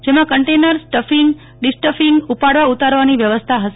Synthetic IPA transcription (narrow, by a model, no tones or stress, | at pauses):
d͡ʒemãkəɳʈenəɾsʈəfiŋɡ | ɖɪsʈəfiŋɡupaɽʋaut̪aɾʋaniʋjəʋəst̪ʰaɦəʃ